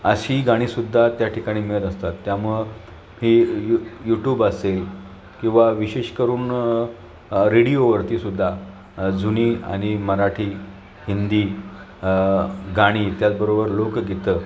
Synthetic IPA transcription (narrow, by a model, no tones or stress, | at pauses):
əɕiːɡaɽ̃iːsud̪ʱːat̪jaʈʰikaɽ̃iːmeɭət̪əst̪at̪ːjamuɭ | hijujuʈjuːbəsel | kĩw̃ʋaʋiɕeɕkəɾuːn | ɾiɽijoʋəɾt̪iːsud̪ʱːa | d͡zuniːa̰ɽ̃iməɾaʈʰiː | hind̪iː | ɡaɽ̃iːt̪jat̪̚bəɾobəɾlokɡʱet̪əː